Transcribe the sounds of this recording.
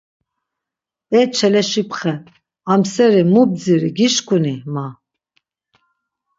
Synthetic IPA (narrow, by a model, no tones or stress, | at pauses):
pʼɛt͡ʃʰɛlɛʃipʰχɛ | amsɛɾimub̚d͡ziɾiɡiʃkʼunima